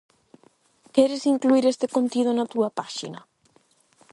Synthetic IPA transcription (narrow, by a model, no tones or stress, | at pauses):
kɛɾesiŋkluiɾest̪ɪkont̪ið̞onɐt̪uɐpaʃḭnɐ